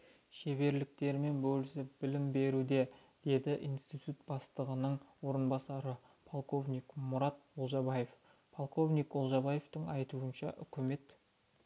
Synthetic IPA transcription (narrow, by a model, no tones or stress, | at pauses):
ʃe̞be̞ɾlɪk̚t̪e̞ɾme̞nbɵlɪsɪbɪlɪmbe̞ɾud̪e̞ | d̪̥e̞d̪ɪʔḭjnst̪ijt̪ut̪̚b̥ɑst̪əʁənəɴwo̞ɾənbɑsɑɾə | pʰolˠqo̞vnʲijkmʊɾɑt̪olˠʒɑbɑje̞f | pʰolˠko̞vnijkolˠʒɑbɑje̞ft̪əɴɑjt̪uənʃɑ̰ʔʏkʲʰɪme̞t̪